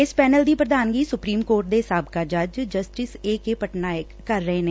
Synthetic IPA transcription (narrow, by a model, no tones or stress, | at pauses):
ɪspɛːnəld̪iːpɾəd̪aːnɡiːsʊpɾiːmkoːɾʈ̚d̪eːɦɪsaːb̚kaːd͡ʒəd͡ʒd͡ʒəsʈɪseːkeːpəʈnaːjəkːəɾːəɦeːneː